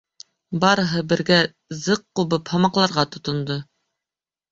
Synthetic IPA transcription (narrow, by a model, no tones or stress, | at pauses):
bɑɾɤ̆ɦɤbɘ̆ɾɡæ | zɤqːuβɤphɑmɑqlˠɑɾʁɑt̪ŏt̪ŏnd̪ɤ